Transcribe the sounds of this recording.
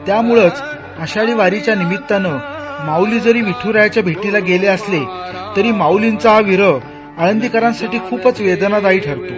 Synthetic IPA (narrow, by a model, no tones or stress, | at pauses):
t̪jamuɭət͡s | əɕaɭiːʋaɾit͡ɕjanimit̪ːanəmawliːd͡zəɾiːʋiʈʰuɾajat͡ɕjabʱeʈilaɡeleəslet̪əɾiːmaulint͡saaʋiɾə | aɽənd̪ikəɾãnsaʈiːkʰuːpət͡sʋed̪nad̪aiːʈʰəɾt̪o